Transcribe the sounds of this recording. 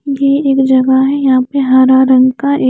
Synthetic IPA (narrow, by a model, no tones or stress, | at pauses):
jeeːkd͡ʒɐɡaɦɛjɐɦãpeɦaːɾaɾɐ̃ŋɡkaʔe